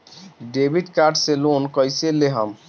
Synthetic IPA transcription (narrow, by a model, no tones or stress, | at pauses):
ɖebʱiɖkaɾɖselonkəjseleɦəm